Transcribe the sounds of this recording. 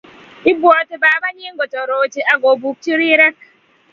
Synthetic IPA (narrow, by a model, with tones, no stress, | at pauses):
i˦bwɔ˨ti˨baː˨˦ba˦ɲi˦ŋɡɔ˨tɔ˨ɾo˨t͡ʃi˨ʔa˨ɡo˨bu˨kt͡ʃi˦ɾi˦ɾa˦